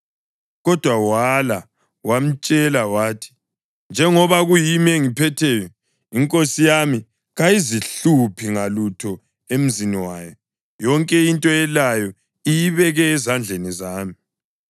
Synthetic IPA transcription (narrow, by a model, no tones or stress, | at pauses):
ɣɔd̥ʱwawala | wam̩t͡ʃʼɛlawaːtʰi̥ | nd͡ʒʱɛŋɔβaɣujimeŋipʰɛtʰɛjɔ | iŋkʼosijami | ɣajiziɬupʰiŋalutʰɔ | em̩ziniwaːjɔ | jɔŋkʼɛintʼɔɛlajɔ | ijiβɛɣɛːzand͡ɮʱenizaːmi